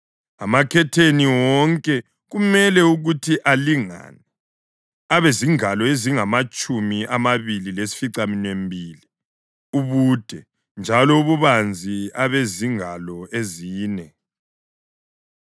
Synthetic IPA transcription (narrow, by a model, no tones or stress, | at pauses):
a̰makʰɛtʰeniwɔŋkʼɛ | ɣumɛlɛuɣutʰiʔaliŋa̰nɛ | aβeziŋalɔeziŋamat͡ʃʼumiʔamaβililesi̥fiǀaminwembʱiːli | uβuːd̥ʱɛ | nd͡ʒʱalɔuβuβand͡zʱiaβeziŋalɔeziːnɛ